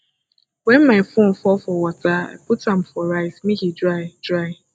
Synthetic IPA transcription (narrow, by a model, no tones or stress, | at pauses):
wɛ̃nmaɪfõnfɔfɔwataa̰putãm̩fɔɾaɪsmĩhidɾaɪdɾaɪ